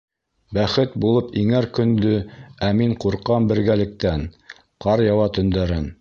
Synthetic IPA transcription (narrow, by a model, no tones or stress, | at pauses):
bæχɘt̪bulˠɤpiŋæɾkɵ̆nd̪ɵæmiɴquɾqɑmbɘ̆ɾɡælɘ̆k̚t̪æn | qɑɾjɑwɑt̪ɵ̆nd̪æɾɘn